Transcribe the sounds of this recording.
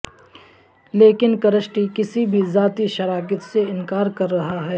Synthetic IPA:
leːkɪnkɐɾəsʈikɪsibʱizaːt̪iʃɐɾaːkət̪seɪnkaːɾkɐɾːɐɦaɦɛː

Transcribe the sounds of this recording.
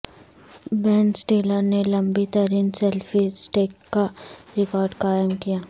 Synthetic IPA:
bɛːnsʈeːləɾnelɐ̃mbit̪ɐɾiːnsɛlfisʈeːkːaɾɪkɔːɾɖkaːjəmkijaː

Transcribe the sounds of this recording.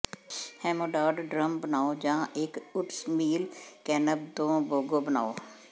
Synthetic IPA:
hɛ̃ːmoːɖaːɖɖɾəmbənaːod͡ʒãːʔeːkʊʈsmiːlkɛːnəb̚d̪õːboːɡoːbəna̰ːo

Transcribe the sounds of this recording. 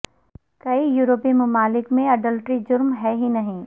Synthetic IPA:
kɐijuːɾoːpimɐmaːlɪkmẽɐɖəlʈɾid͡ʒʊɾmɦɛɦinɐɦĩ

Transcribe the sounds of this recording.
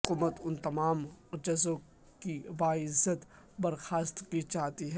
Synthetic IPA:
kuːmət̪ʊnt̪ɐmaːmd͡ʒɐzõ | kibaːɪzət̪ | bɐɾxaːst̪kit͡ʃaːɦt̪iɦɛ

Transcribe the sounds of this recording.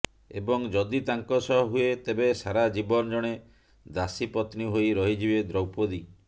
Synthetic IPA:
ḛbɔŋd͡ʒɔd̪it̪aŋkɔsɔɦɔɦuet̪ebesaɾad͡ʒibɔnɔd͡ʒɔɽ̃e | d̪asipɔt̪niɦojɾɔɦid͡ʒibed̪ɾɔwpod̪i

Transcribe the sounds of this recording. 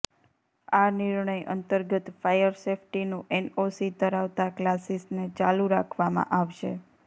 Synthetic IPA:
anɪɾɳəjʔə̰nt̪əɾɡət̪fajəɾsefʰʈinũʔɛnosid̪əɾaʋt̪aklasisnet͡ʃaluɾakʰʋamã̰ʔaʋʃe

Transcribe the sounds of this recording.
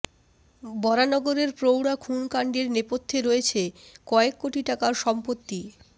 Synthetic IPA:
bɔɾanɔɡoɾeɾpɾowɽakʰunkaɳɖeɾnepot̪ʰːeɾoet͡ɕʰekɔekːoʈiʈakaɾʃɔmpot̪ːi

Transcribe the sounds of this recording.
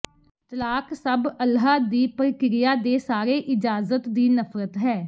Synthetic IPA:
t̪əlaːksəbəlɦaːd̪iːpəɾkɪɾɪjaːd̪eːsaːɾeːʔɪd͡ʒaːzət̪d̪iːnəfʰɾət̪ɦɛː

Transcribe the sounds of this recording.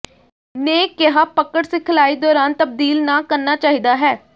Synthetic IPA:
neːkeɦaːpəkəɽsɪkʰlaːiːd̪ɔːɾaːnt̪əb̚d̪iːlnaːkəɾnaːt͡ʃaːɦiːd̪aːɦɛː

